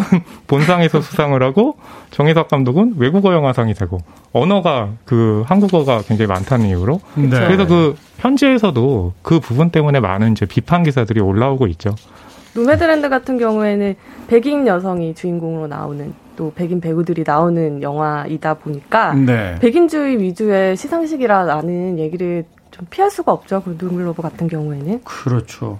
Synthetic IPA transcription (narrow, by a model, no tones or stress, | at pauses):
nponsʰaŋisʰʌsʰusʰaŋɯɾɦaɡot͡ɕʌŋisʰak͈amdoɡɯnwe̞ɡuɡʌjʌŋɦwasʰaŋisʰaɡo | ʌnʌɡakɯɦanɡuɡʌɡakweŋd͡ʑaŋima̰ntʰanɯniuɾokɯɾesʰʌkɯ | çjʌnd͡ʑeːsʰʌdokɯpubunt͈e̞mune̞ma̰nɯnid͡ʑe̞pipʰanɡisʰadɯɾioɭːauɡoit̚t͡ɕ͈o | nome̞dɯɾendɯɡatʰɯnɡjʌŋue̞nɯnpe̞ɡiŋjʌsʰʌŋit͡ɕuinɡoŋɯɾona̰o̰nɯn | t͈ope̞ɡinpe̞ɡudɯɾinaonɯnjʌŋɦwaʔidaboɲik͈anepe̞ɡind͡ʑuiɥid͡ʑue̞ɕʰisʰaŋɕʰiɡiɾananɯnje̞ɡiɾɯɭ | t͡ɕompʰiaɭs͈uɡaʌp̚t͡ɕ͈okɯɾndoŋuɭːobokatʰɯnɡjʌŋue̞nɯnkɯɾʌt͡ɕʰo